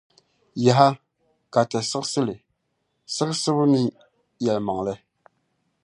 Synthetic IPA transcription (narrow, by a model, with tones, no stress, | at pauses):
ja˨ɦa˦ | ka˨tɛ˨sɨ˦ksɨ˦lɨ˨ | sɨ˦ɣsɨ˦bʊ˦nɨ˦ | jɛ˨lma˨ŋlɨ˦